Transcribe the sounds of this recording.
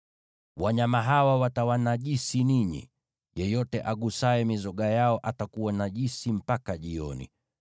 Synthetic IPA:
waɲamaɦawawatawanaʄisiniɲḭ | jɛjɔtɛʔaɠusaɛmizɔɠajaɔʔatakuwanaʄisim̩pakaʄiɔnḭ

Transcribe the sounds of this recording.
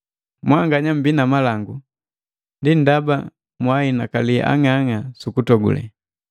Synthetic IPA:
mwaŋɡaɲam̩binamalaŋɡu | ndin̩daba̰ | mwainakalḭʔa̰ŋaŋasukutɔɡṵlɛ̰

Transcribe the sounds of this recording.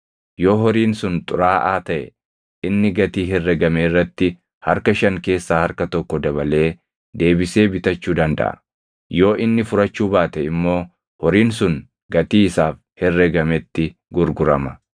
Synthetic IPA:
joːɦɔɾiːnsʊnt̪ʼʊɾaːʔaːt̪ɐʔɛ | ɪnːɪɡɐt̪iːɦɛrːɛɡɐmeːrːɐt̪ːɪ | hɐɾkɐʃɐŋke̞ːsːaːhɐɾkɐt̪ɔkːɔd̪ɐβɐle̞ː | d̪e̞ːbɪse̞ːbɪt̪ɐt͡ʃːuːd̪ɐnd̪ɐ̰ʔɐ̰̥ | jo̞ːʔɪnːɪfʊɾɐt͡ʃːuːbaːt̪ɛɪmːo̞ː | hɔɾiːnsʊn | ɡɐt̪iːɪsaːf | hɛrːɛɡɐmɛt̪ːɪɡʊɾɡʊɾɐmɐ

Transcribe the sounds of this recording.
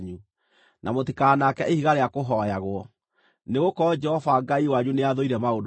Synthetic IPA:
ɲu | nʔamotikaːnakɛʔehiɣaɾeakoɦɔjaɣwɔ | neɣokɔd͡ʒɛhɔvaɡaiwaɲuneaðoiɾɛmaod

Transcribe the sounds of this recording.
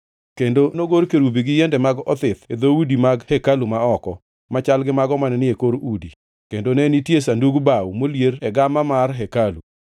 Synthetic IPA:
kendonoɡoɾkeɾubiɡɪjɛndɛmaɡɔt̪ɪt̪ed̪oudimaɡhɛkalumaɔkɔ | mat͡ʃalɡɪmaɡɔmanɛnɪekoɾudi | kendonɛnitjesanduɡbawmoljeɾɛɡamamarɦɛkalu

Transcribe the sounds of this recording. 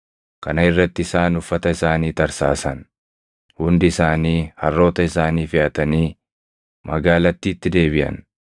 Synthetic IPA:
kɐnɐɪrːɐt̪ːɪɪsaːnʊfːɐt̪ɐɪsaːniːt̪ɐɾsaːsɐn | hʊnd̪ɪɪsaːniːhɐrːo̞ːt̪ɐɪsaːniːfɪʔɐt̪ɐniː | mʔɐɡaːlɐt̪ːiːɪt̪ːɪd̪e̞ːβɪʔɐ̰n

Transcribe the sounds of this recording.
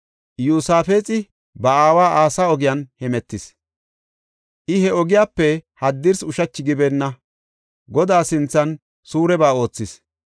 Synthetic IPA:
juːsaːfe̞ːt͡sʼɪ | bɐaːwaːʔaːsaːɔɡɪjanhɛmɛt̪ːɪs | ʔɪhɛɔɡɪjaːpːɛhɐd̪ːɪɾsʊʃɐt͡ʃːɪɡɪbɛnːɐ | ɡɔd̪aːsɪnt͡sːɐn | suːɾɛbaːo̞ːt͡sːɪs

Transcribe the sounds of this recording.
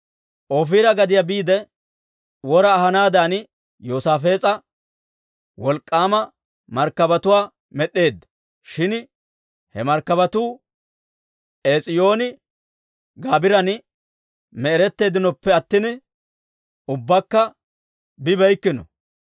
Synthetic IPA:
ʔofiːɾɐɡɐd̪ɪjabiːd̪ɛ | wɔɾɐːɦɐnaːd̪aːn | joːsaːfe̞ːt͡sʼɐ | wɔlkʼːaːmɐ | mɐɾkːɐbɐt̪ʊwaː | mɛɗe̞ːd̪ːɐ | ʃɪn | hɛmɐɾkːɐβɐt̪uː | ʔeːt͡sʼɪjo̞ːnɪ | ɡaːbɪɾɐnɪ | mɛɛɾɛt̪ːe̞ːd̪ɪnɔpːɛɐt̪ːɪnɪ | ʊbːɐkːɐ | bɪbɛjkːɪnɔ̰

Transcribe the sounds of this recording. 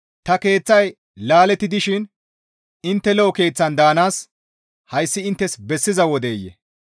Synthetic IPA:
t̪ɐke̞ːt͡sːɐj | laːlɛt̪ːɪd̪ɪʃɪn | ɪnt̪ːɛlɔɔke̞ːt͡sːɐnd̪aːnaːs | hɐjsːɪɪnt̪ːɛsbɛsːɪzɐwɔd̪eːjːɛ̰

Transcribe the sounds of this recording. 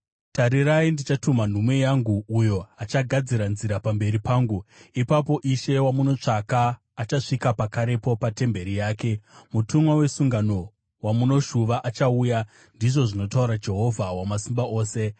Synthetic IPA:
taɾiraindit͡ʃatuman̤umwe̞jaŋɡuːjo̞at͡ʃaɡʱad͡ziɾanziɾapambe̞ɾipaːŋɡuipapo̞ʔiʃe̞wamuno̞t͡ʂakaː | t͡ʃaʂikapakaɾe̞po̞pate̞mbe̞ɾijaːke̞mutʰumwawe̞suŋɡano̞ | wamuno̞ʃuʋaʔat͡ʃauja | ndiʐo̞ʐino̞tauɾad͡ʒe̞ɦo̞vʱawamasimbaʔo̞ːse̞

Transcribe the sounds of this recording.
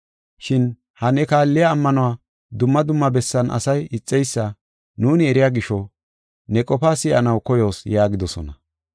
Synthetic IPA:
ʃɪn | hɐnɛkaːlːɪjaːmːɐnʊwaː | d̪ʊmːɐd̪ʊmːɐbɛsːɐnɐ̰sɐjɪt͡sʼːɛjsːɐ | nuːnɪɛɾɪjaːɡɪʃɔ | nɛkʼɔpaːsɪʔɐ̰nɐwkɔjo̞ːsjaːɡɪd̪ɔsɔ̰nɐ

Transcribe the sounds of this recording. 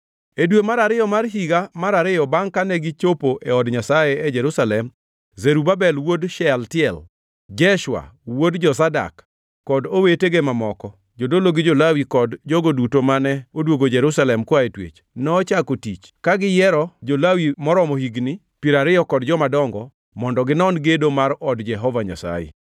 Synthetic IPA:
edwemaɾaɾɪjɔmarɦiɡamaɾaɾɪjɔbaŋkanɛɡɪt͡ʃopoʔɛɔdɲasajeɛd͡ʒɛɾusalɛm | zeɾubabɛlwodʃɛltɪɛl | d͡ʒɛʃwa̰wodd͡ʒɔsada̰kː | ɔdoweteɡemamɔkɔ | d͡ʒodoloɡɪd͡ʒolawikɔdd͡ʒɔɡodutomanɛodwoɡod͡ʒɛɾusalɛmkwaetwḛt͡ʃ | nɔːt͡ʃakotit͡ʃ | kaɡɪjɛɾɔd͡ʒolawimɔɾɔmɔhiɡnɪ | piɾaɾɪjɔkɔdd͡ʒɔmadɔŋɡɔ | mɔndɔɡɪnɔnɡedomaɾɔdd͡ʒɛɦɔvaɲa̰sa̰jḛ

